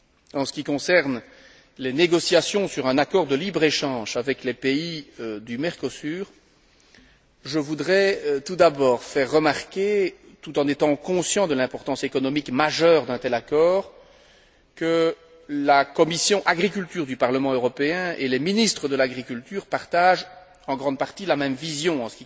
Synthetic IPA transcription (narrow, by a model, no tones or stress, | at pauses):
ɑ̃sə̥kʲikɔ̃sɛʁn | leneɡɔsjasjɔ̃syʁɛ̃nakɔʁd̪əlibʁeʃɑ̃ʒavɛklepeid̪ymɛʁkɔsyːʁ | ʒəvud̪ʁɛt̪ud̪abɔːʁfɛʁːəmaʁkʲe | t̪ut̪ɑ̃net̪ɑ̃kɔ̃sjɑ̃d̪əlɛ̃pɔʁt̪ɑ̃sekɔnɔmikmaʒœːʁd̪ɛ̃t̪ɛlakɔːʁ | kə | lakɔmisjɔ̃ʔaɡʁik̬ylt̪yːʁd̪ypaʁləmɑ̃øʁɔpeɛ̃ʔeleminist̪χəd̪əlaɡʁikʲylt̪yːʁpaʁt̪aʒ | ɑ̃ɡʁɑ̃d̪̚paʁt̪ilamɛmvizjɔ̃ɑ̃sə̥kʲi